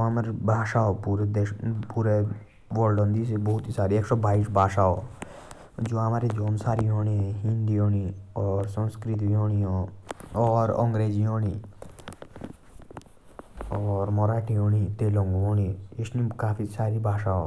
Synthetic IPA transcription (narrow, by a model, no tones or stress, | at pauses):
oɦamaɾbʱaːʃaːopuːɾed̪epuːɾe | ʋolɖə̃nd̪isebɔɦʊt̪isaːɾieːksɔbʱaːɪʃbʱaːʃaːo̰ | d͡ʒoːamaːɾed͡ʒoːnsaːɾiɦoːnĩɦĩnd̪ioːɽiɔːɾsə̃nskɾɪt̪̬ɦoːɽ̃iõɔːɾɔ̰̃ŋɡɾeːd͡ʒiɦoːɽ̃i | ɔːɾmɔɾaːʈiɦoːnit̪eːlõŋɡoɦoːniɪsnikaːpʰisaːɾibʱaːʃaːo